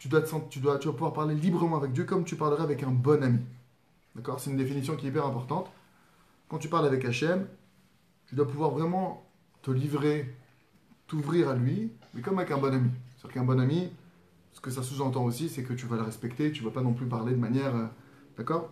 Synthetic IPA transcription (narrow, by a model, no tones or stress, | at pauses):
t̪yd̪wat̪əsɑ̃tt̪yd̪wat̪yd̪wapuvwaʁpaʁlelibʁəmɑ̃avɛk̚d̪jøkɔmt̪ypaʁləʁɛavɛkɛ̃bɔnami | d̪̥akɔʁsɛt̪ynd̪efinis̬jɔ̃kʲiɛipɛʁɛ̃pɔʁt̪ɑ̃t̪ | kɑ̃t̪ypaʁlavɛkaʃɛm | t̪yd̪wapuvwaʁvʁɛmɑ̃ | t̪əlivʁe | t̪uvʁiʁalɥimɛkɔmavɛkɛ̃bɔnamiɛ̥iʁkɛ̃bɔnami | sə̥kəs̬asuzɑ̃t̪̬ɑ̃osisɛkət̪yvaləʁɛspɛkt̪et̪yvapanɔ̃plypaʁled̪əmanjɛʁød̪̥akɔːʁ